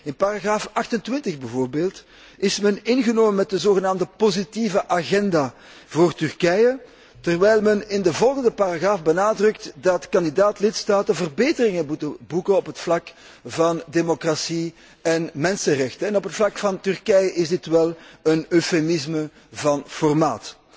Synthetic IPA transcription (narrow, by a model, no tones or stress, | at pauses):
ɪnparaɣraːfɑxtəntwɪntəɣbəvoːrbeːlˠt | ɪsmɛnɪnɣənoːmənmɛt̚dəzoːɣənaːmdəpozitivəʔaɣɛndaː | voːrtʏrkɛjə | tərwɛjlˠmɛnɪndəvɔlˠɣəndəparaɣraːfbənaːdrɵk̚tdɑtkɑndidaːtlɪtstaːtəvərbeːtərɪŋənutəbukənɔpɦətflɑk | vɑndemokrasi | ɛnmɛnsərɛxtəɛnɔpətflɑkfɑntʏrkɛjəʔɪzdɪtʋɛlˠənøfemɪzmə | vɑnfɔrma̰ːt